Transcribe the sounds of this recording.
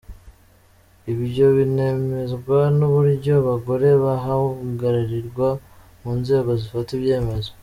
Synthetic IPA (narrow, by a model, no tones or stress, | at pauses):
iβiɾɟo̞βine̞me̞zɡwanuβuɾɟo̞βaɡo̞ɾe̞βaɦaɡaɾaɾiɾɡwa | muːnze̞ːɡo̞zifatiβɟe̞ːme̞zo